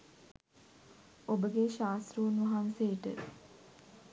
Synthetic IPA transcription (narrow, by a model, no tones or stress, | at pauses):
obəɡeʃaːst̪ɾuʋunʋɐɦanseːʈə̰